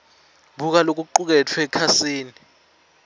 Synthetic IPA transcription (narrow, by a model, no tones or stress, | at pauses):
buk̬alok̬uǃuk̬ɛtʰwɛkʰasiːni